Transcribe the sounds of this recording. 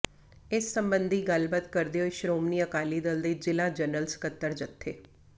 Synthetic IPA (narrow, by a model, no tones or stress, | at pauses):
ɪsːəmbənd̪ʱiːɡəlbət̪kəɾd̪eːɦoiʃɾoːmniːəkaːliːd̪ɪld̪eːd͡ʒɪlaːd͡ʒənəlskət̪ːəɾd͡ʒət̪ʰːeː